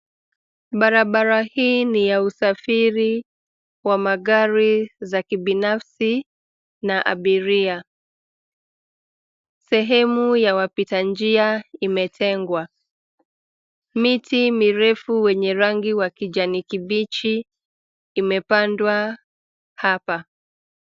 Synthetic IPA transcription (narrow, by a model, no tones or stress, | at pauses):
ɓaɾaɓaɾahiːnijausafiɾi | wamaɠaɾizakiɓinafsi | naʔa̰ɓiɾia | sɛɦɛmujawapitand͡ʒiaimɛtʰɛŋɡwa | mitimiɾɛfuwɛɲɛɾaŋɡiwakiʄanikiɓit͡ʃiː | mɛpandwa | hapa